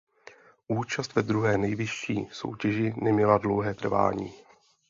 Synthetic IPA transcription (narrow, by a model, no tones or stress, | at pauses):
ʔuːt͡ʃast̪vɛd̪ɾuɦɛːnɛjvɪʃːḭːso̞̰wcɛʒɪnɛmɲɛladlo̞wɦɛːt̪r̩va̰ːɲḭː